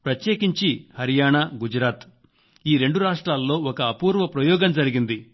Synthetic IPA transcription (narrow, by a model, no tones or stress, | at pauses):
pɾɐt̪jeːkiɲt͡ʃihɐɾijaːɳaɡud͡ʒɾaːt̪ | iːɾe̞ɳɖuɾaːʂʈɾaːlːo̞ːɔkɐːpuːɾʋɐpɾɐjɔːɡɐmd͡ʒɐɾiɡind̪i